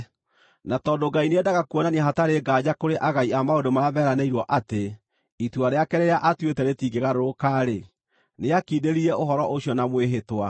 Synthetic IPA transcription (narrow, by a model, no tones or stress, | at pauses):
natɔːdoɡaineɛdaɣakuɔnaniɛɦataɾeɡaːd͡ʑakoɾeʔaɣaiamaodomaβɛɾaneiɾwɔʔate | ituaɾeakɛɾeɾeaʔatwetɛɾetiːɡeɣaɾoɾokaːɾe | neakiːdeɾiɾɛoɦɔɾɔʔoɕjɔnamweɦetwa